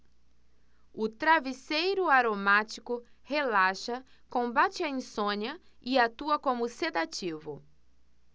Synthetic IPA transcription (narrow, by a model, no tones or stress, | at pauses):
ʊt̪ɾavisejɾʊaɾomat͡ʃikʊhelaʃɐ | kõbat͡ʃɪɐĩsõɲɐ | ɪat̪uɐkõmʊsed̪at͡ʃivʊ